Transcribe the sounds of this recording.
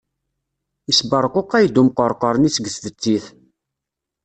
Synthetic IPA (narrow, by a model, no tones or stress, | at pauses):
isbəɾˤqoqːæjd̪umqəɾˤqəɾˤənit͡sːɡəst̪ət͡sːiθ